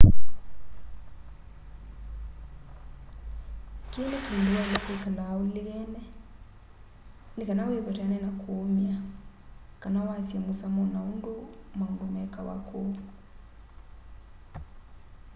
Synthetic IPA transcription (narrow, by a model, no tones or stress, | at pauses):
kinɛkinduwalikekalaːwuliɣɛnɛ | nikanawiβɔɾanɛnakʰuːmia | kanawasiamusamɔnaundumaundumɛkawa̰kʰu